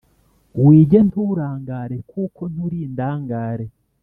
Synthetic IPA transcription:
wiːɟe̞ntuɾaːŋɡaːɾe̞kuːko̞n̥uɾiːndaːŋɡaːɾe̞

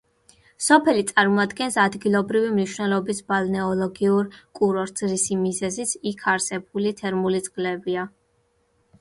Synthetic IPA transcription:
sɔpʰɛlit̪sʼaɾmɔad̪ɡɛnsad̪ɡilˠɔbɾivimniʃwnɛlˠɔbisbalˠnɛɔlˠɔɡiuɾkʼuɾɔɾt̪zɾisimizɛzit̪sʰikʰaɾsɛb̚ulit̪ʰɛɾmulit̪sʼqʼlɛbia

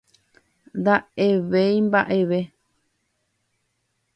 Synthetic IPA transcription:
nd̪ae̞ʋejmbaʔe̞ʋe̞

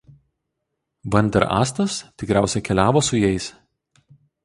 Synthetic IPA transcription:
ʋɐnʲd̪ʲɛɾʔɑ̰ːst̪ɐst̪ʲɪkɾʲæˑʊsʲɛkʲɛlʲæːʋoːsʊjɛɪs

